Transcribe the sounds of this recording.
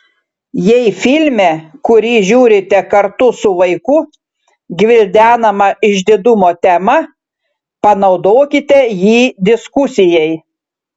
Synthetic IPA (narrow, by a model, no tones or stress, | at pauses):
jɛɪfʲɪlʲmʲɛkʊɾʲiːʒʲuːɾʲɪt̪ʲɛkɐɾt̪ʊsʊʋɐɪkʊ | ɡʲʋʲɪlʲd̪ʲæːnɐmɐɪʒʲd̪ʲɪd̪ʊmoːt̪ʲɛmɐ | pɐnɒʊd̪oːkʲɪt̪ʲɛjiːd̪ʲɪskʊsʲɪjɛɪ